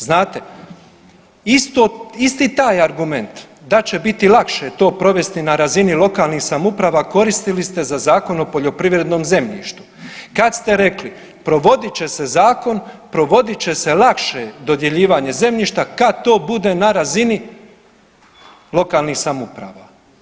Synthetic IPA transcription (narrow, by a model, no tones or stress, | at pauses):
znaːt̪e̞ | ist̪oist̪iːt̪aːjaɾɡume̞nt̪ | d̪at͡ɕe̞bit̪ilˠakʃe̞t̪o̞ːpɾo̞ʋe̞st̪inaɾazinilˠo̞kaːlˠnixsamupɾaːʋaːko̞ɾist̪ilist̪e̞zazaːko̞no̞po̞ʎo̞pɾiʋɾe̞d̪no̞ːmze̞mʎḭːʃt̪u̥kad̪st̪e̞ɾe̞kli | pɾo̞ʋo̞d̪it͡ɕe̞se̞zaːko̞npɾo̞ʋo̞d̪it͡ɕe̞se̞lˠakʃed̪o̞d̪je̞ʎiːʋaːɲe̞ze̞mʎiːʃt̪akat̪o̞ːbud̪e̞naɾazini | lˠo̞kaːlniːxsamupɾa̰ːʋaː